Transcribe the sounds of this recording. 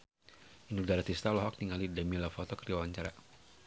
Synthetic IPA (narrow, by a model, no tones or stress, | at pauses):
inudaɾat̪ist̪alɔɦɔk̚niŋalidamilafɔt̪ɔkəɾiawaɲt͡ʃaɾa